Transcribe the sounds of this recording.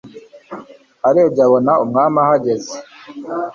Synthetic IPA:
aɾeːb̚ɟaβo̞naumŋaːmahaɟe̞ze

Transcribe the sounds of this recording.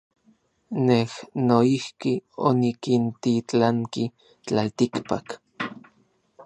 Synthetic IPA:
nehnoihkio̰nikint̪it͡ɬaŋki | t͡ɬalt̪ikpa̰k

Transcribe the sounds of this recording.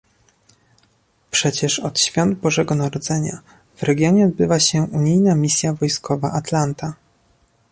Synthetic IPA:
pʂɛt͡ɕɛʂɔt̪ɕfʲjɔnd̪̚bɔʐɛɡɔnaɾɔd̪zɛɲa | v̥ɾɛɡʲjɔɲɛɔd̪̚bɘvaɕɛʔuɲijnamʲisʲjavɔjskɔvaʔat̪lant̪a

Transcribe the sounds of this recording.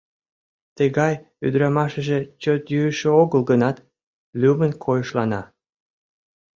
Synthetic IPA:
t̪əɣɑj | y̰d̪ɾɑmɑʃəʒet͡ɕot̪jyəʃeoɣəlɡənɑt̪ | lʲymənkʰojəʃlɑnɑ

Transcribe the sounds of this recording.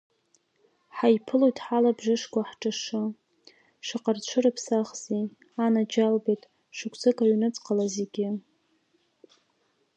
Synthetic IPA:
ħajpʰɨlojtʼħalabʒɨʂkʷʼaħʈ͡ʂʼaʂɨ | ʂɪqʼart͡ɕʷʰɨɾɨpʰsaχz̥e | anad͡ʒalbejtʼ | ʂɨkʷʰsɨkʼaɥnɨt͡sʼqʼalazeɡʲɪ

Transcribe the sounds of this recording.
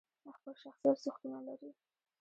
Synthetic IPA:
əxpəlʃaxsijat̪suxt̪unalaɾi

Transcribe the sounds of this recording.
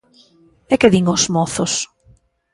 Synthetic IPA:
ekeðiŋozmɔθos

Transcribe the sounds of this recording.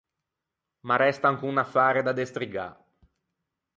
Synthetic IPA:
maɾɛst̪aŋkunafːaːɾed̪ad̪est̪ɾiɡa̰

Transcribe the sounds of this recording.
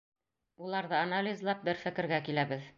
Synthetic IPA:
ulˠɑɾðɤanalʲizlˠɑp̚bɘɾfɘ̆kɘ̆ɾɡækilæbɘð

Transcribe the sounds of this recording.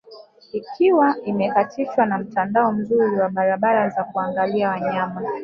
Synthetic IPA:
ikʰiwaimɛkatʰiʃwanam̩tandaɔm̩zuɾiwaɓaɾaɓaɾazakuaŋɡaliawaɲama

